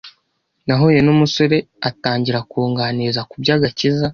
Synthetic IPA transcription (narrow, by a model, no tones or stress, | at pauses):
naɦojenumuso̞ɾe̞ | ataːɲɟiɾakuːŋɡanizakubɟaːɡaciza